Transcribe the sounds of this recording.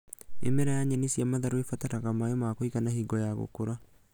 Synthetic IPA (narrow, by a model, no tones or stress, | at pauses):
ḛmeɾajaɲanesiamaðaɾoefataɾaɣamajomaːkoikanahiɡɔjaɣo̰koɾa